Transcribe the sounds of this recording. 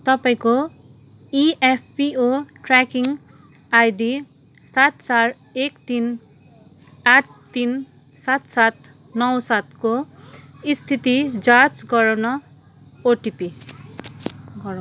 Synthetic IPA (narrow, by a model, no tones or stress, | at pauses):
t̪ʌpaĩko | iepʰpioʈrakiŋ | ajɖi | sat̪t͡saɾ | ekt̪in | aʈ̚ʰt̪in | sat̪sat̪ | nʌwsat̪ko | ist̪ʰit̪id͡zat͡sɡʌɾawnʌ | oʈipi | ɡʌɾ